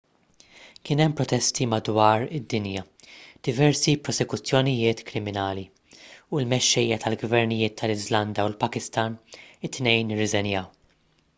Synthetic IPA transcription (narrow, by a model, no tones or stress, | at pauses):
kɪːnɛmːpɾɔt̪ɛst̪imɐd̪wɐːɾɪd̪ːɪnjɐ | d̪̥ɪvɛɾsipɾɔsɛkʊt͡sːjɔnɪjɪːt̪kɾɪmɪnɐːli | uɪlmɛʃːɛjːɐt̪ʰɐlɡvɛɾnɪjɪːt̪ʰːɐlɪzlɐnd̪ɐulpɐkɪst̪ɐnɪt̪ːnɛjnɪrːɪzɛnjɐw